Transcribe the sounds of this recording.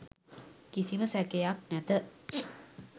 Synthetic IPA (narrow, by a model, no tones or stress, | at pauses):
kisiməsækejak̚næt̪ə